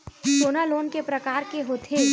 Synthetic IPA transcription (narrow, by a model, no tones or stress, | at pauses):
soːnaloːnkepɾɐkaːɾkeɦoːt̪ʰe